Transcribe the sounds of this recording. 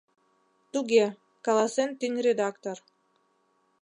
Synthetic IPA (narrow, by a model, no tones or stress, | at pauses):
t̪uɡʲe | kɑlˠɑsent̪ynʲrʲed̪akt̪or